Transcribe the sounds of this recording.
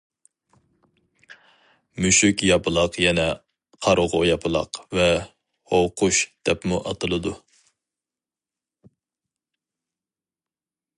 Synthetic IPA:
myʃykʲjɑpʰɨlˠɑqjɛnɛ | qʰɑɾʊʁʊjɑpʰɨlˠɑ̰qvɛ | howqʰʊʃd̪̥ɛpmuʔɑt̪ʰɨlˠɨd̪u

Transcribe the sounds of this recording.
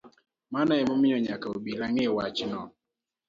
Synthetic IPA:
manaɛmomɪjɔɲakaobilaŋewat͡ʃnɔ

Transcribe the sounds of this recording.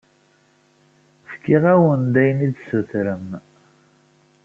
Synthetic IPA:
fkːiʁæwənd̪æjnid̪suθɾəm

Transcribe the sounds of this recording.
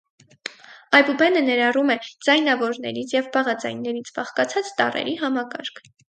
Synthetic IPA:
ɑjbubɛnənɛɾɑrumɛd͡zɑjnɑvɔɾnɛ̰ɾit͡sʰjɛvbɑʁɑd͡zɑ̰jnːɛɾit͡sʰb̥ɑχkɑt͡sʰɑt͡st̪ɑrɛ̰ɾiɦɑmɑkɑ̰ɾkʰ

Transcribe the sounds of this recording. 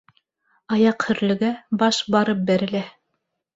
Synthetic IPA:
ɑjɑqhɵ̆ɾlɘ̆ɡæbɑʃbɑɾɤp̚bæɾɘ̆læ

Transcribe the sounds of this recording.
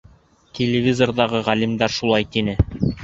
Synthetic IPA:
t̪ʲʰelʲevʲizord̪ɑʁɤʁælimd̪æɾʃulˠɑjt̪inɘ

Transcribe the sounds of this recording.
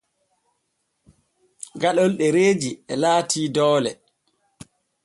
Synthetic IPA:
ɡaɗɔlɗɛɾeːd͡ʒiɛlaːtʰiːdɔːlɛ̰

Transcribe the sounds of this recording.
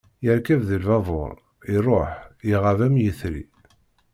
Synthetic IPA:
jəɾkævðəlvɑvˤo̰ɾˤ | iɾˤoħiʁavæmjəθɾḭ

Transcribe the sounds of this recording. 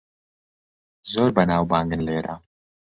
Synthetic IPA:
zoːɾbɐnaːwbaːŋɡɨnleːɾʔa̰

